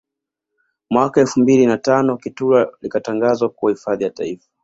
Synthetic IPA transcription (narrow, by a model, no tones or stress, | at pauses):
mwakaɛlfumbilinatanɔkitulalikataŋɡazwakuwahifaðijata̰ifḁ